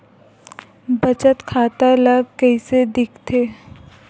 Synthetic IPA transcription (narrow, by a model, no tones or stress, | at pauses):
bət͡ʃət̪kʰaːt̪aləɡkəised̪ɪkʰt̪ʰeː